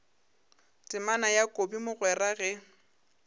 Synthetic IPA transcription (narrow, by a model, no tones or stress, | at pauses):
tʼɪmanajakʼobimʊɣwɛraɣɛ